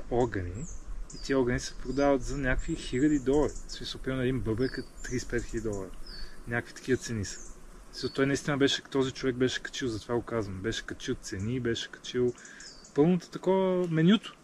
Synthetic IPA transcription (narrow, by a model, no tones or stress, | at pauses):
ɔɾɡəniːt̪iəɔɾɡənisɛ̥fpɾod̪avət̪zɐnʲakvixilʲəd̪id̪ɔlˠɐɾismisəlˠpinɛd̪inbɤbɛkət̪ːɾispɛt̪xilʲəd̪ʲidɔlˠɐɾənʲakvit̪ɐ̥k̟ivət̪sɛnisə̥ | t̪ɔjnɐist̪inəbɛʃɛ̥t̪ɔzit͡ʃovɛɡ̚bɛʃɛ̥kɐ̥t͡ʃilˠzɐt̪ovaɡokazvənbɛʃɛ̥kɐt͡ʃilˠt̪sɛnibɛʃɛ̥kɐ̥t͡ʃilˠ | pɤlˠnot̪ə̥t̪ɐkɔvəmɛnʲut̪ʊ̥